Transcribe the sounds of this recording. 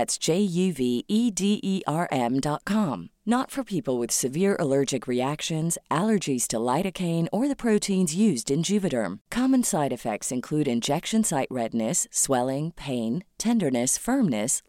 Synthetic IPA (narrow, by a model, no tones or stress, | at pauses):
ætsd̥ʒ̥eɪjʉviʔidiʔiʔɑɹʔɛ̃mdɑt̚kʰɑ̃mnətfə˞pʰipl̩ˠwɨð̥sɨvɪɹʔə̰lɜ˞d͡ʒɨkʰɹiækʃɨ̃nzʔælˠə˞d͡ʒiz̥tʰəlaɪɾɨkʰẽɪ̃nə˞ðɨpʰɹ̥oʊtʰĩnzjʉzdɨ̃nd͡ʒʉvɨɾə̰̃˞mkʰɑmɨ̃nsaɪɾɨfɛ̰k̚tsɨ̃nkʰl̥ʉɾɨ̃nd͡ʒɛkʃɨ̃nsaɪʔ̚ɹɛdⁿnɨsːwɛlˠɪ̃ŋpʰẽɪ̃ntʰɛ̃ndə˞nɨsfɜ̃˞mnɨs